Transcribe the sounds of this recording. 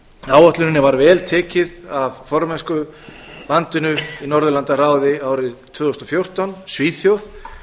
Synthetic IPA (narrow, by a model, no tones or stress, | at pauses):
aːwɔht̪lʏnɪnːɪvaɾvɛːlt̪ʰɛːcɪðavfɔɾmɛnskʏlant̪ɪnʏinɔɾðʏlant̪ar̥aːwðɪaːwɾɪt̪ʰvʏːðʏst̪ɔfjowr̥t̪awnsviːθjowð